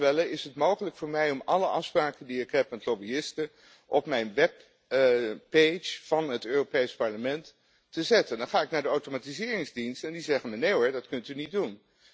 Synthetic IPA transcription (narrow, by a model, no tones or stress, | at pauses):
ʋɛləɪsɦətmowχələkfʊːɹmɛjɔmɑləʔɑfspraːkəndiɪkɦɛpmɛtlobiɪstə | ʔɔpmɛjnʋɛpː | et͡ʃfɑnɦətøːropejspɑɹləmɛntː | əzɛtəndɑnχaːɪknaːɹdəawtomaːtizɪːrɪŋzdinstɛndizɛχənmɛnejəɹdɑtkɵntynit̚dun